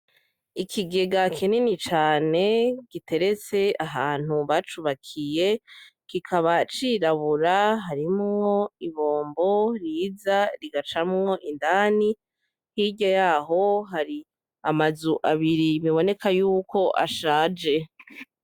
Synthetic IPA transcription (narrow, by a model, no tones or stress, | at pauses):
ikʰiɡe̞ɡakʰeninit͡ʃaːne̞ɡ̥itʰe̞ɾe̞t͡se̞aɦaːn̥uβat͡ʃuβakʰije̞kikʰaβat͡ʃiɾaβuɾaɦaɾimŋo̞iβo̞ːmbo̞ɾiːzaɾiɡat͡ʃamŋo̞ʔindaːni | hiɟajaːɦo̞ɦaɾi | amazuʔaβiɾiβiβo̞ne̞kajuːkʰo̞ʔa̰ʃaːd͡ʒe̞